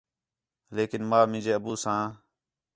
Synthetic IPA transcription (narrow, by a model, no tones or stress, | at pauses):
leːkɪnmaːmɪ̃ːd͡ʒeːəbuːsãː